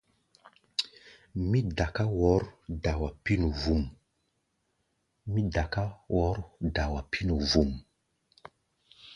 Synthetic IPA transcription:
mi˦da˨ka˦wɔ˨˦ɾda˨wa˨pi˦nu˨vu˨m | mi˦da˨ka˦wɔ˨˦ɾda˨wa˨pʰi˦nu˨vu˨m

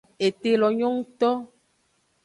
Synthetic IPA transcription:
e˨t̪e˨lɔ˨ɲɔ̃˦ŋũ˦t̪ɔ˦

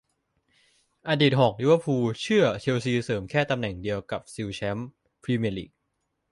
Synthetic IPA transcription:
ʔaː˧di˨˩t̪̚ho˨˩k̚ju˦˥wa˧pʰuː˧t͡ɕʰɯ˥˩ɐt͡ɕʰi˧wsiː˧sɤː˩˦mkʰɛː˥˩t̪a˧mnɛ˨˩ŋdi˧əwka˨˩p̚si˧wt͡ɕʰɛ˦˥m | pʰɾiː˧me˧lḭ˨˩k̚

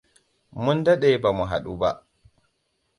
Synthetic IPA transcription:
mu˦nda˦ɗɛba˨mu˨ɦa̰˨ɗu˦ba̰˨ʔ

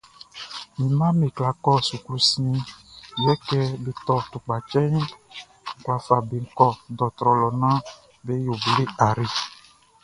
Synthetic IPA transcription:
mĩ˨mã˦me˨kla˨kɔ˦˨su˨klu˦si˦ĩ˦jɛ˦kɛ˦be˨t̪ɔ˦t̪u˨k͡pa˨t͡ʃɛ˦ɲi˦ | ŋ̩˦˨kwa˨fa˨be˨ŋ̩˦kɔ˦dɔ˨t̪ɾɔ˨lɔ˨nã˦ | be˦jo˨be˨le˦a˨ɾi˨

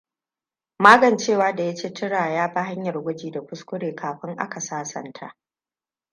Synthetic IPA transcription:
maː˦ɡɐ˨nt͡ʃeː˦˨waː˦da˨ja˦t͡ʃeː˦tʰɪ˦ɽaː˨jaː˦ba˦ha˦ɲjɐ˨rɡʷʊ˦d͡ʒiː˨da˨kʷʊ˦skʷʊ˦ɽeː˨kaː˨ɸɪ˦ŋʔa̰˦ka˨saː˦sɐ̰˨ntʰa̰˦ʔ

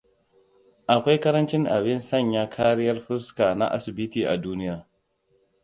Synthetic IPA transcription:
ʔa˨kʷa˦jkɐ˦ɾɐ˦nt͡ʃɪ˦ŋʔa̰˨bɪ˦nsɐ˦˨ɲja˦kʰa˦ɾɪ˦jɐ˦rɸɪ˦ska˨na̰˦ʔa˨sɪ˨bi˦tiː˨ʔa̰˨duː˦nɪ˦jaː˨

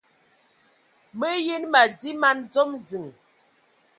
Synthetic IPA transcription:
mə˦je˦nma˨di˦ma˦nd͡zɔ˦mzi˨ŋ

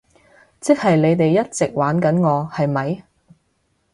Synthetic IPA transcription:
t͡sɪ˥k̚hɐ˨jle˨˧jt̪e˨jːɐ˥t̚t͡sɪ˨k̚waː˨˥nkɐ˨˥nŋɔː˨˧hɐ˨jmɐ˨j

